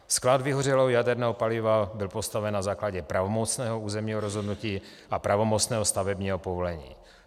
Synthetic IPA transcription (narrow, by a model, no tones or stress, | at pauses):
sklad̪vɪɦorɛlowjadɛɾnɛːɦopalɪvabɪlpo̞st̪avɛnːazaːklaɟɛpɾavomot͡snɛːɦouːzɛmɲiːɦoɾozɦo̞dnuciː | apɾʔavo̞mot͡snɛːɦost̪avɛbɲiːɦopovolɛɲḭː